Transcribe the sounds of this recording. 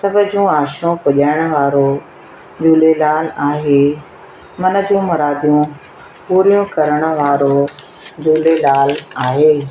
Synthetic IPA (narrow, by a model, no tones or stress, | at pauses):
sɐbʱʊ̆d͡ʑũaːʃũpʊʄaːɪɽ̃ə̆ʋaːɾo | d͡ʑuːlelaːlaːɦeː | mɐnə̆d͡ʑũmɐɾaːd̪ijũ | puːɾijũkɐɾəɽ̃ə̆ʋaːɾo | d͡ʑuːlelaːlaːɦeː